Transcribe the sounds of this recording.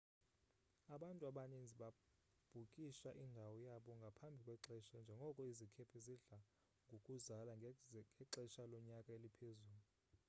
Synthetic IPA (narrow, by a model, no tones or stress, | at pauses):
aɓantʼuaɓanind͡zʱiɓa | b̥ʱukʼiʃaʔindʱawɔjaɓɔŋɡʱapʰambʱikʼwɛǁɛʃand͡ʒʱɛŋɡʱɔkʼɔizikʰɛpʰɛziɮa | ŋɡʱokʼuzalaŋʱɛǃɛʃalɔɲakʼaelipʰezuːlu